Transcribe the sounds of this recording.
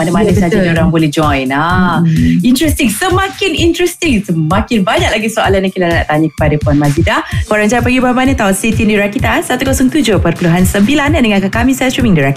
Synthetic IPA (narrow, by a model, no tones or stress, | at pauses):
manəmalɛsad͡ʒanoɾaŋbolɛhd͡ʒɔjna | int̪ɾɛst̪ɪŋsəmãkɪnint̪ɾɛst̪ɪŋsəmakɪnbaɲak̚laɡisoalanakilana̰ʔt̪aɲakə̥padapɔnmazidahkoɾaŋd͡ʒaapəɡiubahmanət̪aosit̪indiɾakit̪asat̪ukosɔŋt̪ud͡ʒopərpuluɦansəmbilandəŋãkakamĩsɛsɹumiŋdiɾak